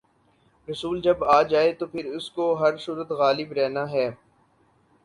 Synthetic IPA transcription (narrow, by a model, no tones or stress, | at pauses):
ɾɐsuːld͡ʒɐbaːd͡ʒaːet̪oːpʰɪɾʊskoɦɐɾsʊɾət̪ɣaːlɪbɾɛːnaɦɛː